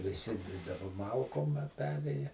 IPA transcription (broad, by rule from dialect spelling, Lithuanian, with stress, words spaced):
ʋʲɪˈsʲɪ dɐˈbɐ ˈmɐlˠkoːm ɐ ˈpʲæːrʲeːjɛ